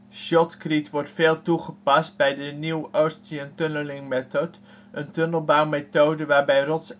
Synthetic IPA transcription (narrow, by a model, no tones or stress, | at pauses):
ʃɔtkritʋɔɹtfeːlˠtuχəpɑst̚bɛjdəniwowstiəntønəlɪŋmɛtot | ʔəntønəlˠbawmetowdəʋaːɹbɛjrɔts